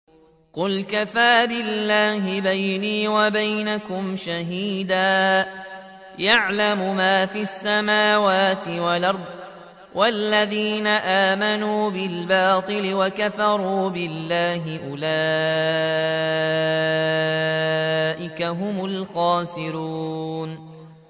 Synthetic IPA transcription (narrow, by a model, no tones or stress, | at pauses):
qʊlkafaːbɪlːaːɦɪbajniːwabajnakʊmʃaɦiːd̪aː | jaʕlamʊmaːfiːasːamaːwaːt̪ɪwalʔɑɾˤd̪ˤ | wʔalːaðiːnaʔaːmanuːbɪlbɑːt̪ˤɨlɪwakafɑɾˤuːbɪlːaːɦɪʔʊlaː | ʔɪkaɦʊmʊlxɑːsɪɾuːn